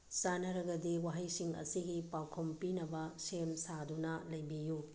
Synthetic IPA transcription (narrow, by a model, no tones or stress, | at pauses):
sanɐɾɐɡɐdiwaɦɐjsiŋɐ̰siɡipawkʰompinɐbɐsemsadunɐlɐjbiju